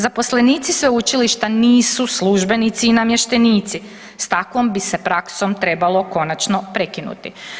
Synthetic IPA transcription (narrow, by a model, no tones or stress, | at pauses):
zapo̞sle̞niːt̪sisʋeut͡ʃiliʃt̪aniːsusluʒbe̞nit̪siːnamjeʃt̪e̞niːt̪si | st̪akʋombise̞pɾakso̞mt̪ɾe̞balˠo̞ko̞nat͡ʃno̞pɾe̞kinṵt̪i